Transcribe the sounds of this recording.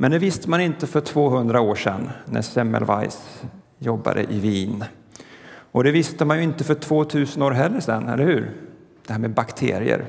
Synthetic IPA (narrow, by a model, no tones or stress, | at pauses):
mʔɛnd̪ɛvɪst̪əmanɪnt̪əfœʈʰv̥oːɦɵnd̪ɾaoːʂɛnːæ̰sɛmɛ̰lvajs | jɔbːa̰d̪ə̰ʔɪviːn | ʔɔd̪ɛvɪst̪əmanjɵɪnt̪əfœʈʰvoːt̪ʰʉ̟ːsənoːɾɦɛlːəʂɛ̰nːɛ̰lːəɾhʉ̟ːɾd̪̥ɛhæːɾmɛbakt̪ʰḛːɾɪə̰ɾ